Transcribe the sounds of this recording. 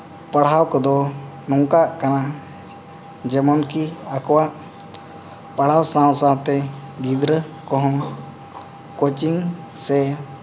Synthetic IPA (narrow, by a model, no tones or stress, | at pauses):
pəɽ̤awkɔd̪ɔ | nɔŋkaʔkana | d͡ʒɛmɔnkiakɔwaʔ | pəɽ̤awsãwsãwt̪ɛ | ɡid̪ɾə | kɔɦɔŋ | kot͡ʃiŋ | sɛ